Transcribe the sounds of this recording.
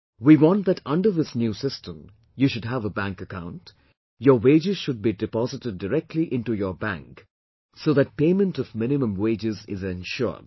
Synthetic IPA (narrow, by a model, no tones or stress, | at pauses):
wiwɔ̃n̚ðɨʈʌ̃nɖə˞ðɪsnjusɪstə̃m | juːʃʊdɦævəbæ̃ŋkəkãʊ̃nt | jɔweːd͡ʒɪz̥ʃʊd̚bidɪpɑzɪʈɪɖ̚ːəɾɛk̚ʈʰliʔɪ̃nʈujəbæ̰̃ŋk | soːðæt̚peɪmə̃ntɔvmɪ̃nɪmə̃mweɪd͡ʒɪzɪzɪ̃nʃɔ̰d̥